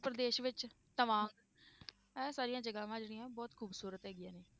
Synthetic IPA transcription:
pɾəd̪eːʃʋɪt͡ʃ | t̪əʋãːŋɡ | ɛːsaːɾɪjãːd͡ʒəɡaːʋãːd͡ʒeːɽɪjãːbɔːt̪kʰuːbsuːɾət̪ɦɛːɡɪjãːneː

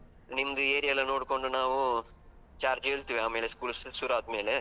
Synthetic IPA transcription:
nimɐɡ̪ueːɾiɐlːɐno̞ːɽko̞ɳɖunaːʋu | t͡ʃaːɾd͡ʒeɭt̪iːʋiaːmeːleskuːlssuɾaːt̪me̞ːle̞

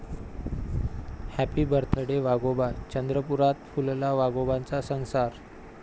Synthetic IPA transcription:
hæpiːbəɾt̪ʰəɽeʋaɡobat͡ɕənd̪ɾəpuɾat̪fullaʋaɡobant͡sasə̃ŋsaɾ

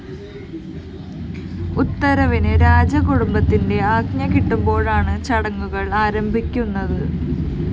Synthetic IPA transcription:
ut̪ːɐɾɐʋinɨɾaːd͡ʑɐɣuɻumbɐt̪ːinde̞aːɡɲɐɣiʈːumbo̞ːɭaːɳɨt͡ɕɐɽɐŋːuɣɐɭaːɾɐmbʱikʲːunːɐðɨ

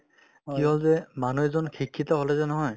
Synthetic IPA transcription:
kiɦɔlzɛmanuɛzɔnkʰikʰːitaɦolɛzɛnɔɦɔj

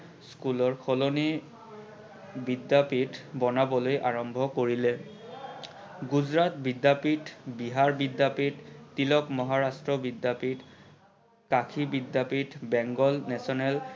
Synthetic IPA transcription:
skulɔɹkʰɔloni | bidjapitbɔnabɔlojʔaɹɔmbʱɔkoɹilɛ | ɡuzɹat̚bidjapitbiɦaɹbidjapitːilɔkmɔɦaɹastɹɔbidjapit | kakʰibidjapitbɛŋɡɔlnɛsɔnɛl

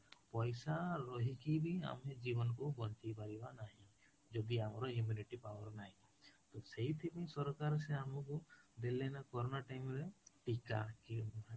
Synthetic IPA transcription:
pɔjsaɾɔɦikibia̰med͡ʒibɔnɔkubɔnt͡ʃipaɾibanaɦĩ | d͡ʒɔd̪iamɔɾɔjumjuniʈipawɔɾnaɦĩ | t̪oseɦit̪ʰibisɔɾkaɾɔseamɔkud̪elenakɔɾɔnaʈajmɾeʈikaki

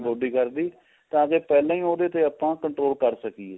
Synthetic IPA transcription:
boːɖiːkəɾd̪iː | t̪ãːəɡeːpɛːlãːĩːoːd̪eːt̪eːəpãːkəɳʈɾoːlkəɾsəkiːeː

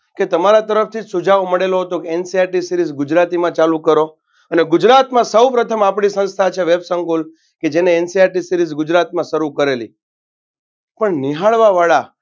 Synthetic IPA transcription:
ket̪əmaɾat̪əɾəft̪ʰid͡ʒsud͡ʒaʋoməɽeloɦət̪õkeensiaɾʈisiɾizɡʊd͡ʒɾat̪imãt͡ʃalũkəɾo | əneɡʊd͡ʒɾat̪mãsəwpɾət̪ʰəmapɽ̃isə̃nst̪ʰat͡ʃʰeʋebsəŋkul | ked͡ʒeneensiaɾʈisiɾizɡʊd͡ʒɾat̪mãʃəɾukəɾelḭ | pəɳniɦaɭʋaʋaɭa

